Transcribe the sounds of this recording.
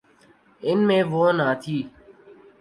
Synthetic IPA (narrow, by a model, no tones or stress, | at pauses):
ɪnmẽːʋoːnãːt̪ʰiː